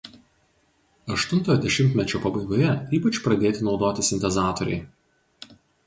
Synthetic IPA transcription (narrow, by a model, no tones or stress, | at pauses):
ɐʃt̪ʊnt̪oːjɔd̪ʲɛʃʲɪmʲt̪ʲmʲɛt͡ʃʲoːpɐbɐɪɡoːjɛiːpɐt͡ʃʲpɾɐd̪ʲeːt̪ʲɪnɒʊd̪oːt̪ʲɪsʲɪnʲt̪ʲɛzɑːt̪ɔɾʲɛ̰ɪ